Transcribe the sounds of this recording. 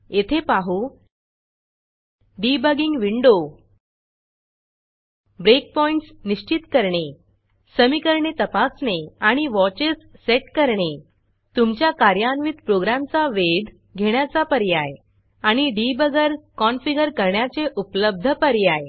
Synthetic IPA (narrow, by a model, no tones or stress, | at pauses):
et̪ʰepaɦu | ɖibəɡiŋɡʋiɳɖo | bɾek̚pɔiɳʈsniɕt͡ɕit̪kəɾɳe | səmikəɾɳet̪əpasneaɽ̃iʋɔt͡ɕesːeʈkəɾɳe | t̪umt͡ɕjakaɾjanʋit̪pɾoɡɾamt͡saʋed̪ʱ | ɡʱeɳ̃jat͡sapəɾjaj | aɽ̃iɖibəɡəɾkɔnfiɡəɾkəɾɳjat͡seʔupləb̚d̪ʱəpəɾjaj